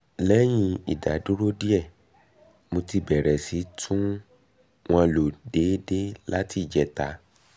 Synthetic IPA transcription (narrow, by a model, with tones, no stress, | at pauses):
lɛ˦j̃ĩ˧ḭ˨da̰˨˦du˦ɾo˦di˦ɛ˦˨ | mo˧ti˧bɛ˨ɾɛ˨si˨˦tʰũ˦ | w̃ã˧lo˨de˨˦de˦la˦ti˦˨d͡ʒɛ˨ta˨˦